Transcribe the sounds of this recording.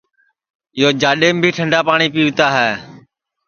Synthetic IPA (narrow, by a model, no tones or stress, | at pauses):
ɪjoːd͡ʒaːɗeːmbʱiːʈʰəɳɖaːpaːɳiːpiːʋt̪aːɦɛː